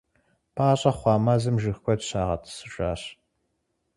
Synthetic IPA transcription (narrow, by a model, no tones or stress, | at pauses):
pʰaːɕʼɐχʷɑːmɐzɨmʒɨxkʷʰʼɔtɕaːʁɐ̰tʰsɨɕʼa̰ːɕ